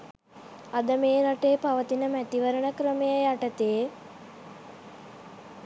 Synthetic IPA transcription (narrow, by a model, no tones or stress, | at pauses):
ad̪əmeːɾaʈejːpaʋət̪inəmæt̪iʋəɾəɳəkɾəmejəjaʈət̪eː